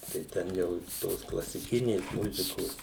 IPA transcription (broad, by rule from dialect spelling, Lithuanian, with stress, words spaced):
tɐɪ ˈtʲɛn jɛʊ ˈtoːs klˠɐsʲɪˈkʲɪnʲeːs ˈmʊzʲɪkoːs